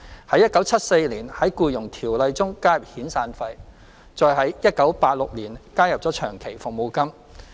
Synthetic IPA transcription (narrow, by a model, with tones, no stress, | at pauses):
hɐ˨˥jɐ˥t̚kɐ˨˥wt͡sʰɐ˥t̚se˧jliː˨˩nhɐ˨˥jkuː˧jʊ˨˩ŋt̪ʰiː˨˩wlɐ˨˧jt͡sʊ˥ŋkaː˥jɐ˨p̚hiː˨˥nsaː˧nfɐ˧j | t͡sɔː˨˧jɦɐ˨˥jjɐ˥t̚kɐ˨˥wpaː˧t̚lʊ˨k̚liː˨˩nkaː˥jɐ˨p̚t͡sɔː˨˥t͡ʃʰœː˨˩ŋkʰe˨˩jfʊ˨ŋ̚mo˨˧wkɐ˥m